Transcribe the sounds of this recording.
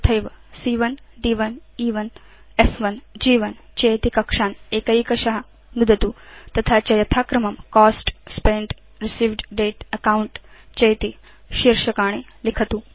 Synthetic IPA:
t̪ʰɐjʋɐsiːʋɐnɖiːʋɐniːʋɐn | efʰʋɐnd͡ʒiːʋɐnt͡ʃɐjt̪ikɐkʂaːneːkɐikɐʃɐɦɐ | nud̪ʱɐt̪uːt̪ɐt̪ʰat͡ʃɐjɐt̪ʰaːkɾɐmɐmkɔːsʈspẽɳʈ | ɾisiːʋɖɖeːʈɐkawuɳʈt͡ʃɐjt̪i | ʃiɾʂɐkaːɽ̃e | likʰɐt̪uː

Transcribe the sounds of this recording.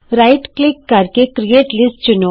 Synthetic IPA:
ɾaːɪʈklɪkːɐɾkekɾijeːʈlɪsʈt͡ʃʊno

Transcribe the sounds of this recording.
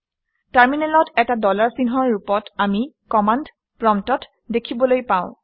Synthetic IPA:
taɹminɛlɔtɛtadɔlaɹsinɦɔɹɹupɔtami | kɔmand | pɹɔmtɔt | dekʰibɔlojpãʊ̃

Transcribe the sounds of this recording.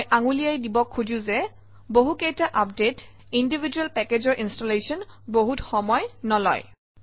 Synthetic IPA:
jʔaŋulijajdibɔkʰːud͡ʑũzɛ | boɦukejtaʔap̚det | indibʱid͡ʒuɛlpɛkezɔɹʔinstolesɔnboɦutxɔmɔjnɔlɔ̰j

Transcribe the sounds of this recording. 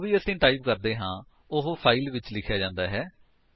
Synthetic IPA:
ʋiːəsĩːʈaːib̚kəɾd̪eːɦãː | ʊɦopʰaːiːlʋɪt͡ʃlɪkʰːjaːd͡ʒãːnd̪aːɦɛː

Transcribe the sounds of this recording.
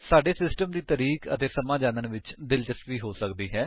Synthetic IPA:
saːɖeːsɪsʈəmd̪iːt̪əɾiːkə̰t̪eːsəmaːd͡ʒãːnənʋɪt͡ʃd̪ɪlt͡ʃəst̪ʋiːɦoːsəkd̪iːɦɛː

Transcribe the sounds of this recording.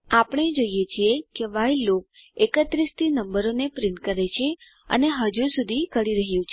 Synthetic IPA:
apəɳ̃ed͡ʒoijet͡ʃʰiekeʋailok̚ekət̪ɾist̪ʰinəmbəɾonepɾiɳʈkəɾet͡ʃʰe | ə̰neɦəd͡ʒusud̪ʱikəɽiɾəɦjũt͡ʃʰe

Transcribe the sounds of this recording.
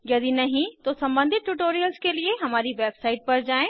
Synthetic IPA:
jɐd̪inɐɦĩt̪osɐ̃mbə̃nd̪ʱɪt̪̚ʈuʈoːɾijəlskelieɦɐmaːɾiʋeːbsaːɪʈ̚pɐɾd͡ʑaːẽː

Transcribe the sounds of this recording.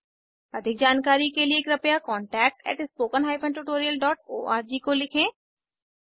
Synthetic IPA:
ɐd̪ʱɪk̚d͡ʒaːnkaːɾikelieːkɾɐpjakɔːɳʈɛːk̚ʈɛ̰ːʈɪspoːkənɦaːjpʰɐ̃ɳʈuʈoːɾijəlɖɔːʈ̚o̰ːʔaːɾd͡ʒikolɪkʰẽː

